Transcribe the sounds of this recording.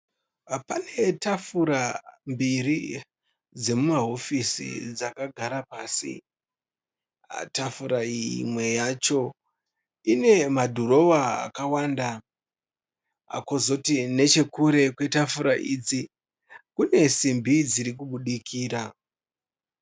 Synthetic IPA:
pane̞tafuɾambiri | d͡ze̞mumaɦo̞fisḭd͡zakaɡʱaɾapaːsḭ | a̰tafuɾaimwe̞jat͡ʃo̞ | ine̞madʱoɾo̞waa̰kawaːnda | a̰kozo̞tine̞t͡ʃe̞kuɾe̞kwe̞tafuɾaʔiːd͡zi | kune̞simbid͡ziɾik̬uɓuɗikʰiːɾa

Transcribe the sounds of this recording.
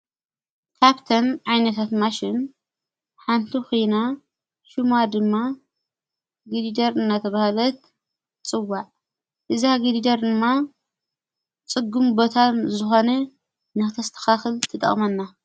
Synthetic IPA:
kʰaβt̪ʰɐmʕajnɐt̪ʰat̪maʃɪn | ħant̪ʰixujna | ʃumad̪ɨmːa | ɡidid̪ɐɾɨnːat̪ʰɐβahalɐt̪̚ | t͡sʼɨwːaʕ | ʔɨzaɡidid̪ɐɾd̪ɨmːa | t͡sʼɨɡumbot̪ʰanzɨxo̞nɐ | nɨxɨt̪ʰɐst̪ʰɐ̥xaxɨlt̪ʰɨt̪ʼɐ̰χʼmɐnːa

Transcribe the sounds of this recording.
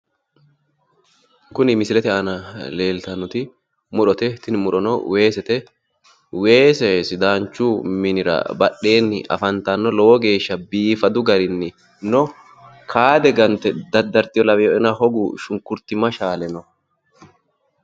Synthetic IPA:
kʊnɪmɪsɪlɛt̪ɛʔɐnɐle̞ːlt̪ɐnːʊt̪ɪ | mʊɗɔt̪ɛt̪ɪnmʊᶑɔnɔwe̞ːsɛt̪ɛ | we̞ːsɛsɪd̪aːnt͡ʃːʊmɪnɪɾɐ̰bɐɗːe̞ːnːɪ̰ʔɐ̰fɐnt̪ɐnːɔlɔwɔɡe̞ːʃːɐbiːfɐd̪ʊɡɐɾɪnːɪ | nɔ | kʰaːd̪ɛɡɐnt̪ɛd̪ɐd̪ɐɾt̪ɪjɔlɐwɛjɔɛnɐhɔɡʊʃʊŋkʊɾt̪ɪmɐʃaːlɛnɔ

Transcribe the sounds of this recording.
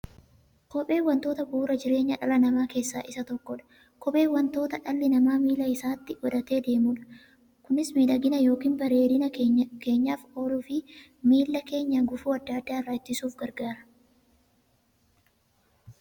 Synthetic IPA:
kɔpʼeːwɐnt̪oːt̪ɐbuːɾɐd͡ʒɪɾe̞ːɲːɐᶑɐlɐnɐmaːke̞ːsːaːʔɪsɐt̪ɔkːɔᶑɐ̥ | kɔpʼe̞ːwɐnt̪o̞ːt̪ɐᶑɐlːɪnɐmaːmiːlɐɪsaːt̪ːɪʔɔᶑ̪ɐt̪e̞ːd̪e̞ːmuːᶑɐ̥ | kʊnɪsmiːlɐɡɪnɐjo̞ːkiːnbɐɾe̞ːd̪ɪnɐke̞ːɲːaːfoːlʊfɪ | miːlːɐke̞ːɲːɐɡʊfuːɐd̪ːɐɐd̪ːaːrːɐt͡ʃːɪsuːfɡɐɾɡaːɾɐ̥

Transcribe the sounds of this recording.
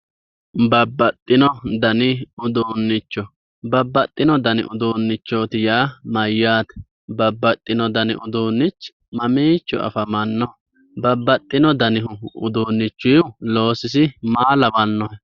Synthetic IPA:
bɐbːɐt̪ʼːɪnɔd̪ɐnɪʊd̪uːnːɪt͡ʃːɔ | bɐbːɐt̪ʼːɪnɔd̪ɐnɪ̰ʔʊd̪uːnːɪt͡ʃːo̞ːt̪ɪjaːmɐjːaːt̪ɛ̥ | bɐbːɐt̪ʼːɪnɔd̪ɐnɪ̰ʔʊd̪uːnːɪt͡ʃː | mɐmiːt͡ʃːʊ̰ʔɐ̰fɐmɐnːɔ | bɐbːɐt̪ʼːɪnɔd̪ɐnɪɦʊʊd̪uːnːɪt͡ʃːʊjʊlo̞ːsɪs̬ɪmaːlɐbɐnːɔhɛ

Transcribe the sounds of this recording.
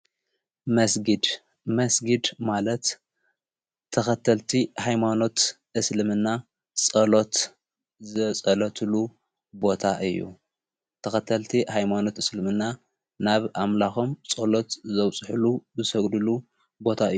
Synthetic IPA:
mɐsɡɨd̪ | mɐsɡɨd̪malɐt̪ | t̪ʰːɐxɐt̪ʰɐlt̪ʰihajmano̞t̪ | ʔɨslɨmɨnːa | t͡sʼɐlo̞t̪ | zɨt͡sʼɐlɐt̪ʰɨlu | bo̞t̪ʰaʔɨjːṵ | t̪ʰɐxɐt̪ʰɐlt̪ʰihajmano̞t̪ɨslɨmɨnːa | naβamlaxomt͡sʼɐlo̞t̪zɐwt͡sʼħuluzɨsɐɡd̪ɨlu | bo̞t̪ʰaɨjː

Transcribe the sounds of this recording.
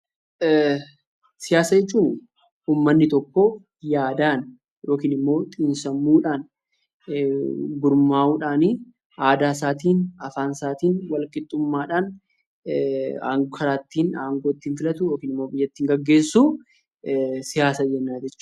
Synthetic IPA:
sɪjaːsɐd͡ʒɛt͡ʃːuːn | uːmːɐnːɪt̪ɔkːɔ | jaːd̪aːn | jo̞ːkiːnɪmːo̞ːt̪ʼinsɐmːuːᶑaːn | ɡʊɾmaːuːᶑaːni | aːd̪aːs̬aːt̪̬iːnɐfaːnsaːt̪iːnwɐlkɪt̪ʼːʊmːaːᶑaːn | a̰ːŋkʰɐɾaːt̪ːiːnaːŋɡoːt̪ːiːnfɪlɐt̪ʊjo̞ːkiːnɪmːo̞ːbɪjːɐt̪ːiːŋɡɐɡːe̞ːsːuː | sɪjaːsɐd͡ʒɛnːaːd͡ʒɛt͡ʃː

